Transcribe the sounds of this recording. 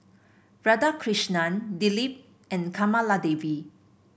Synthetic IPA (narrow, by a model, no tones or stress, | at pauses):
b̥ɹadakʰɹiʃnandilip̚ | ɛ̃nkʰamaladevi